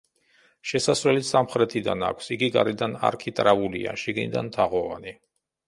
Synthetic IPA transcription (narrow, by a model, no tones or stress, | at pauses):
ʃɛsasvɾɛlisamχɾɛt̪ʰid̪ana̰kʷʰsiɡiɡaɾɛd̪ana̰ɾkʰit̪ʼɾaulia̰ʃiɡnid̪a̰nt̪ʰaʁɔvani